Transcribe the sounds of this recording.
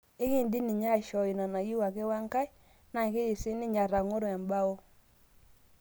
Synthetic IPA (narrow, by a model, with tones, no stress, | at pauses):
e˦ɣɪ˦˨ndi˦nɪ˨ɲa˦˨ʃɔ˨i˨na˨na˨ji˦wa˨ke˦wa˦ŋka˦i˦ | na˨ke˦i˨sɪ˦nɪ˦ɲa˨ɾa˨ŋo˦ɾo˨a˨mba˦o˦